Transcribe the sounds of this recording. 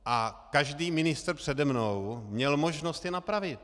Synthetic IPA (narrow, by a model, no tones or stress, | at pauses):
ʔakaʒdiːmɪnɪst̪r̩pr̥ɛdɛmnowmɲɛlmo̞ʒnost̪jɛnapɾavɪt̪̚